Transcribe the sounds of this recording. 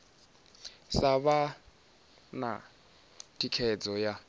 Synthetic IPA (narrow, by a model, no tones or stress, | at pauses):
saβa | na̰ | tʰikʰɛd͡zɔja